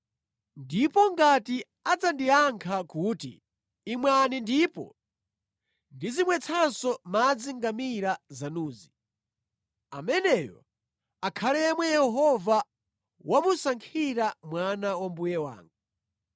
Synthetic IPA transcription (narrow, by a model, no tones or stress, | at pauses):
ndipɔŋɡati | ad͡zandiaŋkʰakuːtḭː | mwanindipɔ̰ | ndizimwɛt͡sʰansɔmad͡ziŋɡamiɾazanuːzi | amɛnɛːjɔ̰ | akʰalɛmwɛjɛɦɔva | wamusaŋkʰiɾamwanawambujɛwa̰ːŋɡu